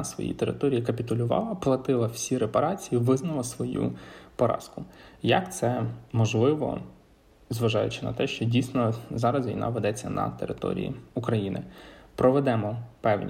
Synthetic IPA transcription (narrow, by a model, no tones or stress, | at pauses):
sʋɔ̰jḭt̪eɾɪ̰t̪ɔɾʲijikɐpʲit̪ʊlʲʊʋɑ̰lˠɐplˠɐt̪ɪlˠɐw̥sʲiɾepɐɾɑt͡sʲijiʋɪznɐlˠɐsʋɔjṵpɔɾɑ̰skʊjɐ̰kt̪sɛmɔʒlˠɪʋɔ̰ | zʋɐʒɑjʊt͡ʃɪnɐ̰t̪ɛʃt͡ʃɔdʲijsʲnɔzɑɾɐzʋʲḭjnʔɑ̰ʋed̪ɛt͡sʲːɐnɐ̰t̪ḛɾʔɪt̪ɔ̰ɾʲḭjḭʊkɾɐjinɪ̰pɾɔʋɛd̪ɛmɔpɛwnʲi